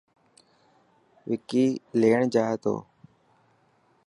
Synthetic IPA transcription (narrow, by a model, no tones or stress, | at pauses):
ʋɪkiːleːəɳd͡ʒaːɦet̪o̰ː